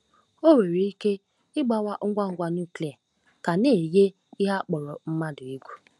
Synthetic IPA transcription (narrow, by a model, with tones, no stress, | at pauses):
o˦we˨ɾe˨i˦ke˦ | ɪ˦ɡ͡ba˦wa˦ʔʊ˦ɡʷa˦˨ŋ̩˦ɡʷa˦n˦u˦˨kle˨a˨ | ka˨ne˨je˦ | i˦ɦa˦k͡pɔ˨ɾɔ˨m̩˦ma˦dʊ˨i˦ɡʷu˦